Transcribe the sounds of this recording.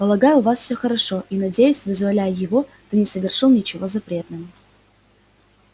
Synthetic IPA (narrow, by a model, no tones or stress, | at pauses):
pəlˠɐɡajʊvasfsʲɵxəɾɐʂo̞ʔinɐdʲejʊsʲvɨzvɐlʲæjʊjɪvo̞t̪ɨnʲɪsəvʲɪrʂɨlˠnʲɪt͡ɕɪvo̞zɐpɾʲe̞t̪nɨmə